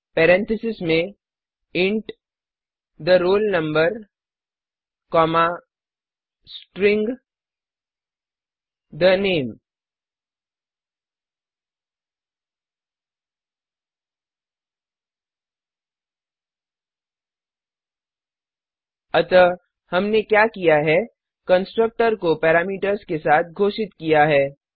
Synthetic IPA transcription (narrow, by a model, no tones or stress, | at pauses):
pɛɾɛ̃nt̪ʰɪsɪsmẽ | ɪ̃ɳʈ | d̪əɾoːlnə̃mbəɾ | kɔːma | sʈɾɪ̃ŋɡ | d̪ənẽːm | ɐt̪ə | hɐmnekjaːkijaɦɛ | kə̃nsʈɾək̚ʈəɾkopɛːɾaːmiːʈəɾskesaːt̪̚ʰɡʱoːʃɪt̪kijaɦɛː